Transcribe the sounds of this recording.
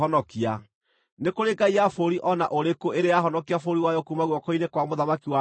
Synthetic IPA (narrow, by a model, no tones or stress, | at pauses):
ɔnɔkia | nekoɾeɡaiafoɾiʔɔnaʔoɾekoʔeɾejaɦɔnɔkiafoɾiwajɔkumaɣwɔkoinekwamoðamakiwa